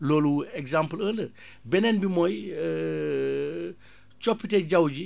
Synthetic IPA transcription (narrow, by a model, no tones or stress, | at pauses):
loluɛɡzampələːndə | bɛnɛnbimɔj | t͡ʃɔpːited͡ʒawd͡ʒi